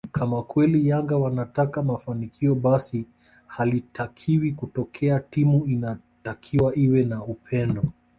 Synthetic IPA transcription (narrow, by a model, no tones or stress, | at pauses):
kʰamakwɛlijaŋɡawanatakamafanikʰiɔɓasi | halitʰakʰiwikutɔkʰɛatimuina | takʰiwaʔiwɛnaupʰɛndɔ